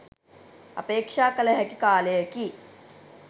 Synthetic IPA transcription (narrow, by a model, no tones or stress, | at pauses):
ɐ̰peːkʂaːkɐlɐɦɐkikaːleːɐki